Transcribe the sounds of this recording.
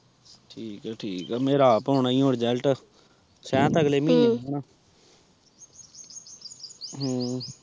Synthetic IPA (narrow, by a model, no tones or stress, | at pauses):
ʈʰiːkɛːʈʰiːkːmeːɾaːpɦoːɳaːĩːõːɽd͡ʒɛːlʈə | sɛ̃ːt̪əɡleːmĩːneoːnaː | ɦː